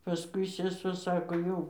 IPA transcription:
pɐˈskʊɪ sʲɛˈsuɔ ˈsɑːkoː ˈjɛʊ

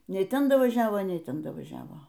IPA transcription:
ˈnʲɛɪ ˈtʲɛn dɐʋɐˈʒʲæːʋoː ˈnʲɛɪ ˈtʲɛn dɐʋɐˈʒʲæːʋoː

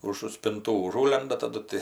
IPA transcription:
ʊʒʊ sʲpʲɪnˈtuː ʊˈʒuːlʲɛndɐ tɐˈdʊ tʲɪ

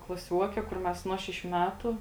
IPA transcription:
klˠɐˈsʲuɔkʲɛ kʊr ˈmʲɛs ˈnuɔ ʃʲɛˌʃʲuː ˈmʲæːtʊ

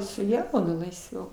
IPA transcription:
sʊ ˈjɛʊnʊ lˠɐɪsʲˈʋʲɛʊ

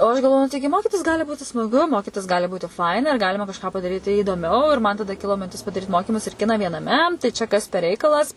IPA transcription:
oː ɐʃ ɡɐlˠˈʋoːjʊ nʊ ˈtɐɪɡʲɪ ˈmoːkʲɪtʲɪs ˈɡɑːlʲɪ ˈbuːtʲɪ smɐˈɡʊ ˈmoːkʲɪtʲɪs ˈɡɑːlʲɪ ˈbuːtʲɪ ˈfɐɪnɐ ɪr ˈɡɑːlʲɪmɐ kɐʃˈkɑː pɐdɐˈrʲiːtʲɪ iːdoːˈmʲɛʊ ɪr ˈmɐn tɐˈdɐ ˈkʲɪlˠoː mʲɪnʲˈtʲɪs pɐdɐˈrʲiːt ˈmoːkʲɪmʊs ɪr ˈkʲɪnɐ ʋʲiɛnɐˈmʲɛ tɐɪ ˈt͡ʃʲɛ kɐs pʲɛr ˈrʲɛɪkɐlˠɐs

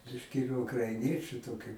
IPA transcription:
ˈbʲɪʃʲkʲɪ ɪr ʊkrɐɪˈnʲiɛt͡ʃʲʊ ˈtoːkʲʊ

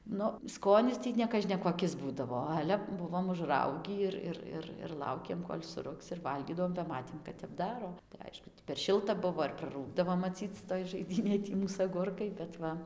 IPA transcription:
ˈnʊ ˈskoːnʲɪs ˈtʲiː nʲɛkɐʒʲnʲɛkoːˈkʲɪs ˈbuːdɐʋoː ˈɑːlʲɛ ˈbʊʋoːm ʊʒˈrɐʊɡʲiː ɪr ˈɪr ˈɪr ɪr ˈlˠɐʊkʲeːm koːlʲ sʊˈrʊks ɪr ˈʋɐlʲɡʲiːdɐʋoːm bɐ ˈmɑːtʲeːm kɐt tʲɛp ˈdɑːroː tɐɪ ˈɐɪʃkʊ tʲɪ pʲɛr ˈʃʲɪlˠtɐ ˈbʊʋoː ɪr prɐˈruːɡdɐʋoː mɐˈt͡sʲiːt͡s toːj ʒɐɪˈdʲiːnʲeːj ˈtʲiː ˈmuːs ɐˈɡʊrkɐɪ bʲɛt ˈʋɐ

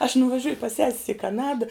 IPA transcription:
ɐʃ nʊʋɐˈʒʲʊjʊ pɐs ˈsʲɛsʲs ɪ kɐˈnɑːdɐ

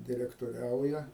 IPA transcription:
dʲɪrʲɛktoːˈrʲɛʊjɛ

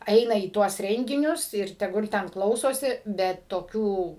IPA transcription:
ˈɛɪnɐ iː ˈtuɔs ˈrʲɛŋʲɡʲɪnʲʊs ɪr tʲɛˈɡʊlˠ ˈtʲɛn ˈklˠɐʊsoːsʲɪ bʲɛt toːˈkʲuː

